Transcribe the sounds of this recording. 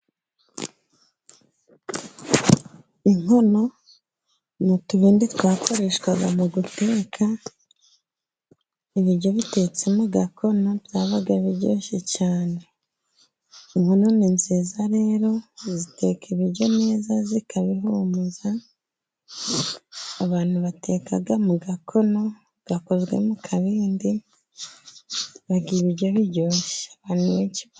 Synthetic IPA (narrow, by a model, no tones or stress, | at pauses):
iŋo̞no̞ | nituβiːnditwaːkʰo̞ɾe̞ːʃkwaɡamuɡute̞ːkʰa | iβiɾɟo̞βite̞ːt͡se̞moɡakʰo̞noβjaːβaɡaβiɟo̰ːʃecaːne̞ | iŋhono̞ːnenziːzaɾe̞ːɾo̞zite̞ːkʰiβiɾɟo̞ne̞ːzazikaβiɦumuza | βaːn̥huβate̞ːkaɡamuɡakʰo̞no̞ | ɡ̥ako̞zɡwe̞̰mukʰaβiːndi | βaɡiβiɾɟo̞βiɾɟo̞ːʃeaβaːnuβeciβ